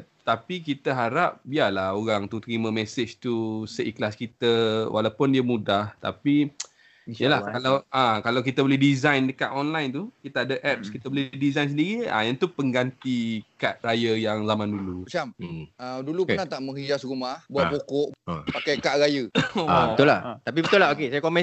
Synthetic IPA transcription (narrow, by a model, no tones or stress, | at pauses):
t̪apikit̪əɦaɾap̚bialahoɣaŋt̪ut̪əɾimə̃mesɪt͡ʃt̪usəʔiklaskit̪əwʔa̰lawpʊndiəmudaht̪a̰pi | jəlahkalawʔãkalawkit̪abəlɪhdizajndəkaʔ̪ɔnlajnt̪ukit̪aadəʔɛp̚skit̪abəlɪdizajns̬əndiɾiã̰jant̪upəŋɡant̪ikaʔ̪̚rajəjaŋzamãndulut͡ʃam̩ədulupənaht̪aʔmə̃ŋhid͡ʒasrumahbuaʔbokɔʔpakajkaʔɾajəobət̪ʊlaht̪ap̬ibət̪ʊlaɦokesajəkomɛ̃